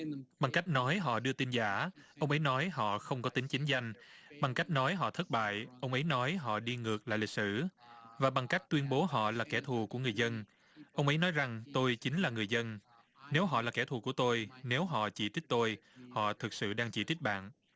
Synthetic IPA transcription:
ɓa˨˩ŋka˦˥jk̟̚nɔ˨˦jɦɔ̰˧˨ɗɨ˧ət̪i˧nzaː˧˩ʔə˧wŋ͡mʔə˨˦jnɔ˨˦jɦɔ̰˧˨xə˧wŋ͡mkɔ˨˦t̪ï˨˦ŋ̟t͡ɕï˨˦ŋ̟za˧jŋ̟ɓa˨˩ŋka˦˥jk̟̚nɔ˨˦jɦɔ̰˧˨t̪ʰə˦˥t̚ɓa̰ː˧˨jʔə˧wŋ͡mʔə˨˦jnɔ˨˦jɦɔ̰˧˨ɗi˧ŋɨ˨˩ək̚laː˨˩jlï˨˩t̚sɨ̰˧˩vaː˨˩ɓa˨˩ŋka˦˥k̚t̪wi˧ənɓo˨˦ɦɔ̰˧˨laː˨˩kɛ˧˩t̪ʰu˨˩ku˧˩əŋɨ˨˩əjzə˧n | ʔə˧wŋ͡mʔə˨˦jnɔ˨˦jza˨˩ŋt̪o˧jt͡ɕï˨˦ŋ̟laː˨˩ŋɨ˨˩əjzə˧n | ne˨˦wɦɔ̰˧˨laː˨˩kɛ˧˩t̪ʰu˨˩ku˧˩ət̪o˧jne˨˦wɦɔ̰˧˨t͡ɕi˧˩t̪i˦˥k̚t̪o˧jhɔ̰˧˨t̪ʰɨ˨˩k̚sɨ̰˧˨ɗaː˧ŋt͡ɕi˧˩t̪i˦˥k̟̚ɓa̰ː˧˨nʔ

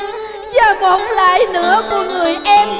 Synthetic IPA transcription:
zaː˨˩vo˨˦ŋ͡mlaː˧˦jnɨ̰˧˥əku˧˩əŋɨ˨˩əjʔɛ˧m

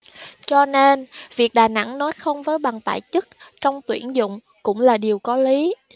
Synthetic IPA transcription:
t͡ɕɔ˧ne˧nvi˨˩ək̚ɗaː˨˩na̰˧˥ŋnɔ˨˦jxə˧wŋ͡mvəː˨˦jɓa˨˩ŋt̪a̰ː˧˨jt͡ɕɨ˦˥k̚t͡ɕɔ˧wŋ͡mt̪wi˧˩ənzʊ̰˧˨ŋ͡m | kʊ̰˧˥ŋ͡mlaː˨˩ɗi˨˩əwkɔ˨˦li˨˦

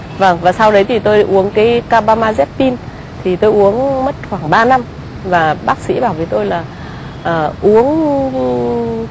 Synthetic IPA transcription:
və˧˩ŋvaː˨˩sa˧wɗə˨˦jt̪ʰi˨˩t̪o˧jʔu˨˦ənkaː˨˦jkaː˧ɓaː˧maː˧zɛ˦˥p̚pi˧n | t̪ʰi˨˩t̪o˧jʔu˨˦ənmə˦˥t̚xwaː˧˩ŋɓaː˧na˧m | vaː˨˩ɓaː˦˥k̚sḭ˧˥ɓaː˧˩wvi˨˦t̪o˧jlaː˨˩ | ʔəː˨˩ʔu˨˦ən

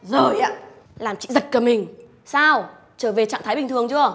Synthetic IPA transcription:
zəː˨˩jʔa̰ː˧˥ | laː˨˩mt͡ɕḭ˧˨zə˨˩t̚kəː˨˩mï˨˩ŋ̟ | saː˧w | t͡ɕəː˧˩ve˨˩t͡ɕa̰ː˧˨ŋt̪ʰːjɓï˨˩t̪ɨ˨˩əŋt͡ɕɨ˧ə

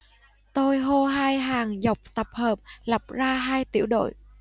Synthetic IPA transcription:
t̪o˧jɦo˧ɦaː˧jɦaː˨˩ŋzə˨˩wk͡p̚t̪ə˨˩p̚həː˨˩p̚la˨˩p̚zaː˧ɦaː˧jt̪ḭ˧˩əwɗo̰˧˨j

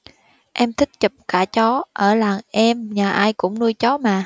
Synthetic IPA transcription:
ʔɛ˧mt̪ʰï˦˥k̚t͡ɕə˨˩p̚kaː˧˩t͡ɕɔ˨˦ʔəː˧˩laː˨˩ŋʔɛ˧mɲaː˨˩ʔaː˧jkʊ̰˧˥ŋ͡mnu˧əjt͡ɕɔ˨˦maː˨˩

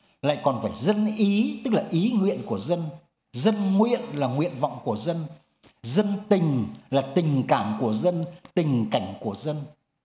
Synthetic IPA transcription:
la̰ː˧˨jkɔ˨˩nfaː˧˩jzə˧nʔi˨˦t̪ɨ˦˥k̚laː˨˩ʔi˨˦ŋwḭ˧˨ənku˧˩əzə˧n | zə˧nŋwḭ˧˨ənlaː˨˩ŋwḭ˧˨ənva̰˧˨wŋ͡mku˧˩əzə˧n | zə˧nt̪ï˨˩ŋ̟laː˨˩t̪ï˨˩ŋ̟kaː˧˩mku˧˩əzə˧nt̪ï˨˩ŋ̟ka˧˩jŋ̟ku˧˩əzə˧n

